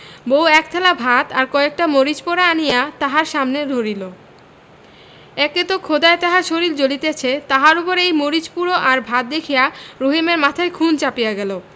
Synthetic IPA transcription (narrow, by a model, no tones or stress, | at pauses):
bowɛkt̪ʰɛlabʱat̪aɾkɔek̚ʈamoɾid͡ʑpoɾaanijat̪aɦaɾʃamned̪ʱoɾilo | ɛket̪okʰod̪aet̪aɦaɾʃoɾild͡ʑolit̪et͡ɕʰet̪aɦaɾupoɾejmoɾit͡ɕpuɾoʔaɾbʱat̪̚d̪ekʰijaɾoɦimeɾmat̪ʰaekʰunt͡ɕapijaɡɛlo